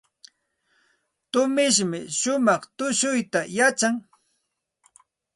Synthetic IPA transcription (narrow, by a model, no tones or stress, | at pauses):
t̪ʊmɪʃ̬mɪʃʊmɑχt̪ʊʃʊjt̪ajat͡ʃaŋ